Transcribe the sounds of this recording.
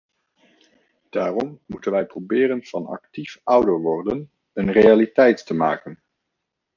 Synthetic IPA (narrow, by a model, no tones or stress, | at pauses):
d̥aːrɔmːutənʋɛjprobɪːɾənv̥ɑnɑ̰ktifʌwdəɹʋɔrdən | ənrejalitɛjtːəma̰ːkən